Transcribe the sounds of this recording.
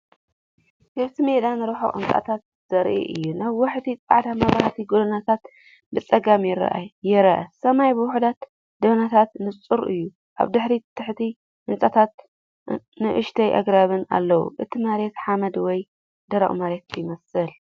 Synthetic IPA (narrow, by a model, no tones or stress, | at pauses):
kʰɐβt̪ʰimed̪anɨɾɐħo̰ʔɨ̰nt͡sʼa̰t̪ʰat̪̚ | z̥ɐɾʔḭʔɨjːunaβwaħt̪it͡sʼa̰ʕd̪amɐβɾaht̪ʰiɡolɐnat̪ʰat̪ | bɨt͡sʼɐɡamjɪɾɐ̰ʔajɛɾɐʔɐsɐmajbɨwʊħud̪at̪ | d̪ɐβnat̪ʰat̪nɨt͡sʼɨɾʔɨjːu | ʔa̰βd̪ɨħɾit̪ʰɨħt̪ʰi | ʔɨnt͡sʼat̪ʰat̪ | nɨʔɨʃt̪ʰɐjʔa̰ɡɾaβɨna̰lːɐwṵʔɨt̪ʰimaɾet̪ħamɐd̪wɔj | d̪ɐɾa̰ʔṵmaɾet̪jɪmɐsɨl